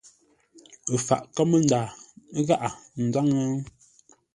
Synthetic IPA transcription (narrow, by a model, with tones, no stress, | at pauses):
ə˨fa̰˨ʔka˦mə˦n̩˦daː˨˦ɣa˦ʔa˨n̩˨d͡za˦ŋa˦